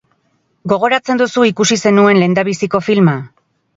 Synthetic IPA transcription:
ɡo̞ɣ̞o̞ɾat͡se̞nd̪usuikusise̞nue̞nle̞ːnd̪aβisiko̞filma

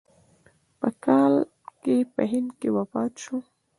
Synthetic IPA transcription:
pəkɑl | kepə̰ɦɪnd̪kewapɑt̪ʃu

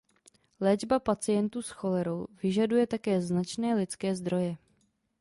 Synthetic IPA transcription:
lɛːd͡ʒbapat͡sɪjɛnt̪uːsxo̞lɛɾo̞wvɪʒadujɛt̪akɛːznat͡ʃnɛːlɪt͡skɛːzd̪ɾo̞jɛ

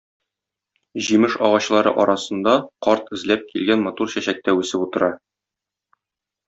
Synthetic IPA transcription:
ʑimɘʃɒ̰ʁɑɕlˠɑɾɤ̰ʔɒɾɑsɤ̆nd̪ɑqɒɾt̪ɘ̆zlæp̚kilɡænmɒt̪uɾɕæɕæk̚t̪æʉsɘput̪ɤ̆ɾɑ

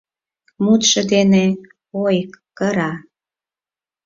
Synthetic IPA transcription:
mut̪ʃə̆d̪ene | ojkːəɾɑ

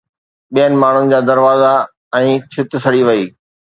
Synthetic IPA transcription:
ɓijənɪ̆maːɳ̤ʊnɪ̆d͡ʑaːd̪ɐɾʋaːza | ɛ̃ːt͡ɕʰɪt̪ʊsɐɽiʋɐiː

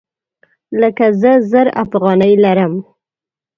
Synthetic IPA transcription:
ləkazəzəɾa̰fɣɑnəjlaɾəm

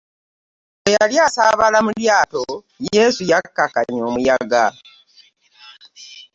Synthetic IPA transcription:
ejaljaːsaβalamuljaːto | je̞ːsujakːaka̰ɲoːmujaɡa

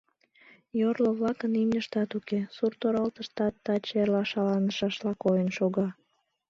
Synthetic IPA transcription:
jorloβlɑkənimnʲəʃt̪ɑt̪ukesurt̪oɾɑlt̪əʃt̪ɑt̪ːɑt͡ɕerlɑʃɑlɑnəʃɑʃlɑkojənʃoɣɑ

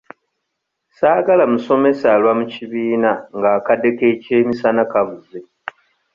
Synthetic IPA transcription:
saːɡalamuso̞me̞salwamuciβiːnaŋɡaːkadːe̞kece̞ːmisanakavuze

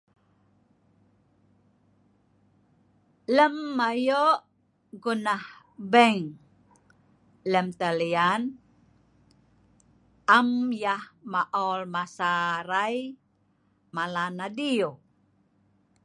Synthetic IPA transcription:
ləmːajoʔ | ɡunah | bəŋ | ləmt̪əlian | ʔamjahmaʔɔlmasaɾaj | malanadiu

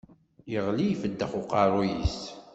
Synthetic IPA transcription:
jəʁlijfəd̪ːəχʊqɑɾˤujḭs

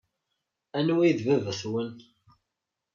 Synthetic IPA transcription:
ænwiðvəvθwən

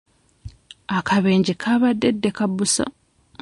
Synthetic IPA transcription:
akʰaβeːɲɟikʰaβadːedːekabusa̰

